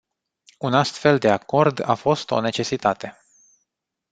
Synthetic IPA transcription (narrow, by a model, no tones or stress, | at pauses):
unast̪fe̞ld̪e̞ako̞rd̪a̰fo̞st̪o̞̰ne̞t͡ʃe̞sit̪at̪e̞